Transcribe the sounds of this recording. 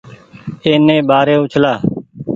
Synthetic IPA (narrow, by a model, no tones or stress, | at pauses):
eːnẽːbaːɾẽːʊt͡ʃʰlaː